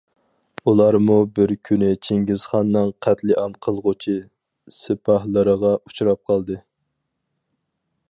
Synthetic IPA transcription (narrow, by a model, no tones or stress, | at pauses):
ulˠɑɾmubɪɾkʲʰynɪt͡ʃʰeŋɡʲiz̥χɑnːɨŋqʰæt̪lɪʔɑmqʰəlˠʁʊt͡ʃʰi | sɪpʰɑhlˠəɾəʁɑu̥t͡ʃuɾɑp̚qʰɑlˠd̪ɨ